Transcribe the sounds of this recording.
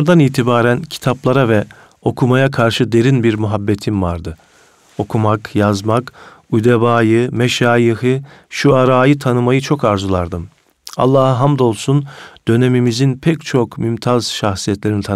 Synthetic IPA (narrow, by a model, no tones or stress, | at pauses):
ɾd̪aniːt̪ʰibaːɾæncʰi̥t̪ʰaplˠaɾavɛ | o̞kʰumajakʰaɾʃɯd̪e̞ɾinbiɾmyɦabːet̪ʰimvaɾd̪ɯ | o̞kʰumakjazmakujd̪ebaːjɯmɛʃaːjiɦɯʃuaɾaːjɯt̪ʰanɯmajɯt͡ʃʰo̞kaɾzulˠaɾd̪ɯm | a̰lˠːaːhaɦamd̪o̞lˠsund̪̥ø̞ne̞mimizinpʰɛct͡ʃʰo̞kmymt̪ʰaz̥ʃaxsijɛt̪lʲe̞ɾinit̪ʰa